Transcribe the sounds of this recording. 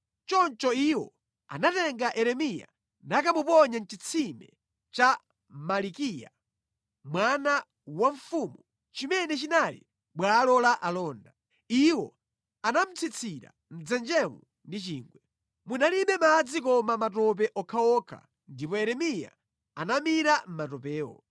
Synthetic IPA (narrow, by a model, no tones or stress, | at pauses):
t͡ʃɔnt͡ʃɔiwɔ̰ | a̰natɛŋɡaʔɛɾɛmija̰ | nakamupɔɲant͡ʃit͡sʰimɛ | t͡ʃa | malikija̰ | mwana | waɱfuːmu | t͡ʃimɛnɛt͡ʃinalḭ | ɓwalɔlaʔalɔːnda | iwɔ | anam̩t͡sʰit͡sʰiɾa̰ | m̩d͡zɛnd͡ʒɛmu | ndit͡ʃiːŋɡwɛ | munaliɓɛmad͡zikɔmamatɔp̬ɛʔɔkʰaɔkʰa̰ | ndip̬ɔɛɾɛmija̰ | anamiɾam̩matɔpɛːwɔ̰